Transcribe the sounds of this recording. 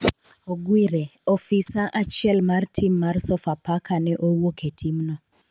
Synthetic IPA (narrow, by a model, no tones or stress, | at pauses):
oɡwiɾeɔfisaʔat͡ʃjɛlmartʰimːarsɔfapakʰanɛʔowokʰetʰimnɔ